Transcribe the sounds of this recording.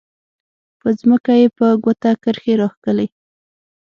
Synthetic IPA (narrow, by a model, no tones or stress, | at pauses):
pəzməkajepəɡwot̪akəɾxeɾɑxkəle